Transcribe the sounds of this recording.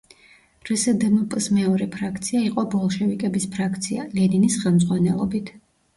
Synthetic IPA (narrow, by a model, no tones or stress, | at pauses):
ɾusɛd̪nupʼsmɛɔɾɛpʰɾakʰt̪sʰiaiqʼɔbɔlˠʃɛvikʼɛbispʰɾakʰt̪sʰialɛninisχɛlˠmd̪zʁwanɛlˠɔbit̪ʰ